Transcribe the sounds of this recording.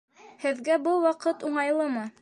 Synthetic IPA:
hɘ̆ðɡæbɤlˠwɑqɤt̪uɴɑjlˠɤmɤ

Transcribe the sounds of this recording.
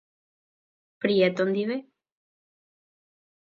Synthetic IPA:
pɾiet̪ond̪iβe

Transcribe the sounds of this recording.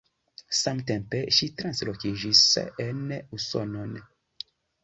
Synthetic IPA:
samt̪ɛ̃mpɛʃit̪ɾãnslɔkiʒisɛ̰ɛnɛusɔ̰nɔnɛ

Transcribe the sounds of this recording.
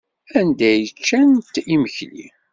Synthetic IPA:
ænd̪æjət͡ʃːænt̪ːiməçlḭ

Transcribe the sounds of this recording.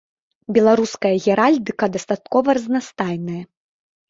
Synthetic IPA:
bʲɛlˠaɾuskɐjɐɣʲɛɾalʲd̪ɨkɐd̪ɐst̪at̪̚kɔvɐɾɐznast̪ajnɐjɐ

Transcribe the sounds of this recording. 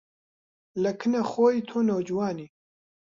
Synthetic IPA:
lɐkʰɨnɐxoːjit̪ʰoːnoːd͡ʒuwaːniː

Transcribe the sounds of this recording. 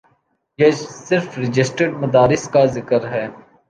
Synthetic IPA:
jesɪɾfɾɪd͡ʒɪsʈəɖ̚mɐd̪aːɾɪskazɪkəɾɦɛː

